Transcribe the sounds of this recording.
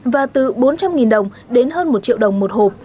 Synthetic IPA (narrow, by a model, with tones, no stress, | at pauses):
vaː˨˩t̪ɨ˨˩ɓo˨˦nt͡ɕa˧mŋi˨˩nɗə˨˩wŋ͡m | ɗe˨˦nɦəː˧nmo˨˩t̚t͡ɕḭ˧˨wɗə˨˩wŋ͡mmo˨˩t̚ho˨˩p̚